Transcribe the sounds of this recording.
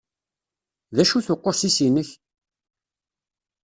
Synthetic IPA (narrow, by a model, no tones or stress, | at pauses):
ðæʃuθʊqːoɾsisinəç